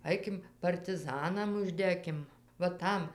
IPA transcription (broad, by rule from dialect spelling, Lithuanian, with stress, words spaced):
ˈɐɪkʲɪm pɐrʲtʲɪˈzɑːnɐm ʊʒʲˈdʲæːkʲɪm ʋɐ ˈtɐm